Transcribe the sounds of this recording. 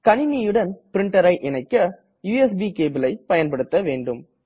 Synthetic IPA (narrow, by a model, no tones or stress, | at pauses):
kɐnɪnijɯɽɐnpɪɾɪɳʈɐɾɐɪʔɪnɐɪkːɐ | juːɛsbikeːbɯlɐɪpɐjɐnpɐɽɯt̪ːɐʋeːɳɖɯm